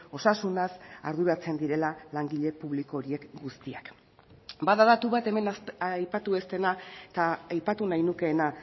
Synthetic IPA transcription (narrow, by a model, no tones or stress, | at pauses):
o̞sasunasa̰ɾðuɾat͡se̞nd̪iɾe̞lalaŋɡiʎe̞puβliko̞ɾie̞kɡust̪iak | baðaðat̪uβat̪e̞me̞nasjpat̪ue̞st̪e̞naet̪aːjpat̪unajnuke̞ːna